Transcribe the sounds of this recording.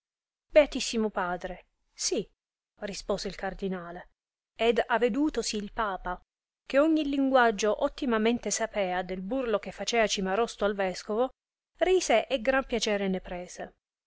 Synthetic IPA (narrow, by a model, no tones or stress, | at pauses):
beat̪isːimopaːd̪ɾe | si | rispoːseilkard̪inaːle | ed̪avːed̪uːt̪osiːlpaːpa | keoɲːiliŋɡwad͡ʒːoʔot̪ːimament̪esapɛːad̪elburlokefːat͡ʃɛːat͡ʃimaɾɔst̪oalvɛskovo | riːseʔeɡɾampjat͡ʃɛːɾenepɾɛːse